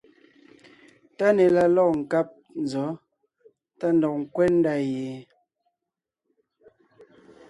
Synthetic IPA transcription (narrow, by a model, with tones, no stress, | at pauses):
ta˦nɛ˨la˦lɔ˦˨ŋ̩˨ka˦p̚ | n˨zɔ˨˦ | ta˦n̩dɔ˨k̚ŋ̩˨kwɛ˦n̩˦da˦je˨